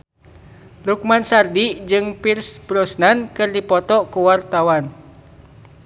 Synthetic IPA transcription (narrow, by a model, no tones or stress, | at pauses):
luk̚mansardid͡ʒɨŋpirsb̥ɾɔsnankɨrdipɔt̪ɔkuwart̪awan